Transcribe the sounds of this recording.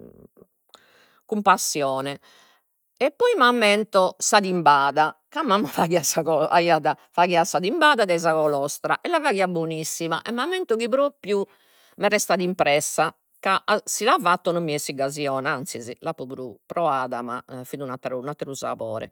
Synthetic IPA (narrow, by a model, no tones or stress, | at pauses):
kumpasːjɔːnɛ | ɛpːɔimamːɛnt̪ɔsaðimbaːðakamːamːɔfaɣiasakɔa̰iaðafaɣiasaðimbaːðad̪ɛzaɣɔlɔst̪ɾa̰ʔɛlːavaɣiabonisːimaʔɛmːamɛnt̪ukipɾopju | mɛrɛst̪aðimpɾɛsːa | kaʔasilavat̪ːɔnɔmːiɛsiɡaziɔːnaant̪sizilapːɔpɾupɾɔaːðama̰fid̪unat̪ːɾunat̪ːɛɾusa̰pɔ̰ːɾɛ̰